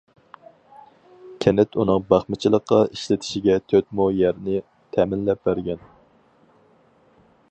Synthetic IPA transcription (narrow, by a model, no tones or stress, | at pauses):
kʲʰɛnɛt̪ʰunɨŋbɑχmɨt͡ʃʰɪlˠəqːɑiʃlɪt̪ʰɪ̥ʃiɡʲɛt̪ʰøt̪mujæɾnɪ | t̪ʰɛmɪnlɛp̚bæɾɡʲɛn